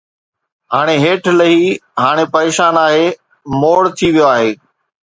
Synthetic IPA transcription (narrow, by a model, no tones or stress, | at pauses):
ɦaːɽ̃eɦeːʈʰləɦiːɦaːɽ̃epɐɾeːʃaːnaːɦeː | moːɽt̪ʰiʋijoaːɦeː